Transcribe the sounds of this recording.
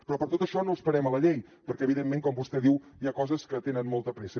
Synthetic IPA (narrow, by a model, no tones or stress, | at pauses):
pɾɔpəɾt̪ot̪əʃɔnoəspəɾɛmələʎej | pəɾkɛəβiðemːeŋkɔmbust̪ɛðiw | iakɔzəskət̪enənmolˠt̪əpɾɛsə